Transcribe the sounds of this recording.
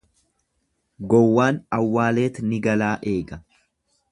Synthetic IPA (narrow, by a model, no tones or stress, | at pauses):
ɡɔwːaːnɐwːaːle̞ːt̪nɪɡɐlaːʔe̞ːɡɐ